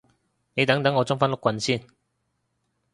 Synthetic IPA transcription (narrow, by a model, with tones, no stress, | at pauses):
ne˨˧jt̪ɐ˨˥ŋt̪ɐ˨˥ŋɔː˨˧t͡sʊ˥ŋfɐ˥nlʊ˥kʷːɐ˨˧nsiː˥˩n